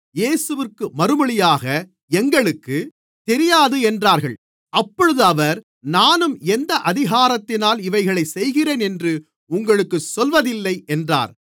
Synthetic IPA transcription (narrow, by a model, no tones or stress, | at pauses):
jeːsɯʋɪrkːɯmɐɾɯmɐɭɪjaːɣɐ | ɛŋɡɐɭɯkːɯ | t̪ɛɾɪjaːðɯɛndraːɾɣɐɭ | ʔɐpːɔɻɯðɯɐʋɐɾ | naːnɯmɛnd̪ɐʔɐðɪɣaːɾɐt̪ːɪnaːlɪʋɐɪɣɐɭɐɪsɛjɣɪreːnɛndrɯ | ʊŋɡɐɭɯkːɯsɔlʋɐðɪlːɐɪɛndra̰ːɾ